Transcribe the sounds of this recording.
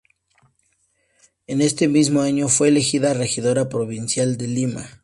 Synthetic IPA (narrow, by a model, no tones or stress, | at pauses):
e̞ne̞st̪e̞mizmo̞aɲo̞fwe̞ːle̞xiðare̞xiðo̞ɾapɾo̞βinsjald̪e̞lima̰